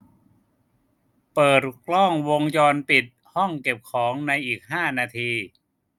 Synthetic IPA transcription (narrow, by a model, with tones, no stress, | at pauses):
pɤː˨˩t̪̚klɔ˥˩ŋwo˧ŋjɔː˧npi˨˩t̪̚ | hɔ˥˩ŋke˨˩p̚kʰɔː˩˦ŋna˧jʔiː˨˩k̚ɦaː˥˩naː˧t̪ʰiː˧